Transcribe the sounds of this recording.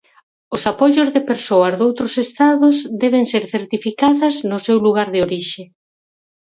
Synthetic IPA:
ʊsapoʎʊzðepeɾsoɐzðowt̪ɾʊsest̪aðʊzd̪ɛβ̞eŋseɾθeɾt̪ifikaðɐznʊsewluɣaɾðeoɾiʃe

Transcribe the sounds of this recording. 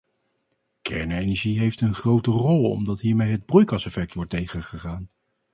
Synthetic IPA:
kʰɛɹnejnɛɹʒiɦejftənχrowtərɔlˠɔ̰mdɑtɦiːɹmejɦəd̚brujkɑsɛfɛk̚tʋɔɹtejχəχəχaːn

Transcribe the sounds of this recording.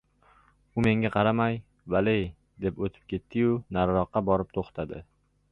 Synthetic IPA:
ʊme̞ŋʲaqʰɑɾamaj | valej | d̪e̞pot̪ʰɪ̥p̚kʲe̞t̪ːɪjʊnaɾɾɒqːɑbɒɾɪp̚t̪ʰoχt̪ʰad̪ɪ̰

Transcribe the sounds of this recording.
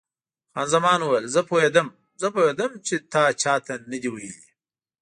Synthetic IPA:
xɑnzamɑːnwjlzəpʰoɦed̪əm | zəpohed̪əmt͡ʃet̪ɑt͡ʃɑt̪ʰanəd̪iwajəli

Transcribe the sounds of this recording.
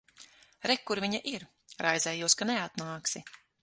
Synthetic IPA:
ɾɛkːuɾvʲiɲaʔiɾ | ɾajzɛːjuɔskanɛat̪naːksi

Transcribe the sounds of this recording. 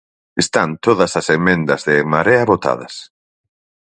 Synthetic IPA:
est̪ant̪oðɐsɐsemẽnd̪ɐzðɪmaɾeɐβot̪a̰ðɐ̰s

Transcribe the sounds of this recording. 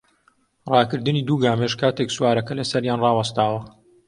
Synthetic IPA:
rɑːkɨɾd̪ɨniːd̪uːɡaːmeʃkʰaːt̪eksuwaːɾɐkɐlɐsɐɾjaːnrɑːwɐst̪aːwɐ

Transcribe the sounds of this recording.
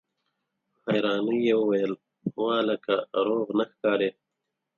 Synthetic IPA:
hajɾɑːmijewəwɐjəl | wɑ̃ːləkaɾoːɣnaxkɑːɾeː

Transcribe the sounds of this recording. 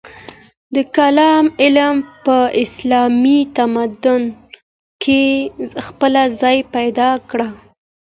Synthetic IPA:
d̪əkalɑmɪlmpəʔɪslɑmit̪amad̪ʊn | kʰexpəlazɑjpajd̪ɑkɽa

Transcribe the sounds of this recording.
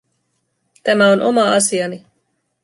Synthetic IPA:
t̪æmæo̞nʔo̞̰mɑɑ̰siɑni

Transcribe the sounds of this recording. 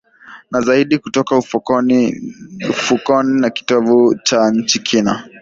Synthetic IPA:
nazaiɗikutɔkauf | ufukɔninaki̥tɔvut͡ʃaɲ̩t͡ʃikʰina

